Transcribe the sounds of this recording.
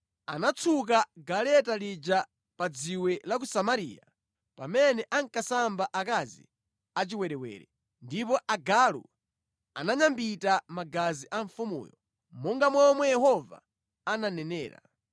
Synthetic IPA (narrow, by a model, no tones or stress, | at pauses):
anat͡sʰuk̬aɡalɛtalid͡ʒa | pad͡ziwɛlak̬usamaɾḭːja̰ | pamɛnɛʔaŋkasambaʔakazḭ | at͡ʃiwɛɾɛwɛ̰ːɾɛ̰ | ndip̬ɔʔaɡalṵ | anaɲambitamaɡaziʔaɱfumṵːjɔ | mɔŋɡamwɔmwɛjɛhɔva̰ | ananɛnɛ̰ːɾa̰